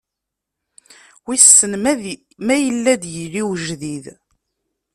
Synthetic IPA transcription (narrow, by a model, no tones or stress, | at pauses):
wisːənm | mæjəlːæd̪jəliwʒðið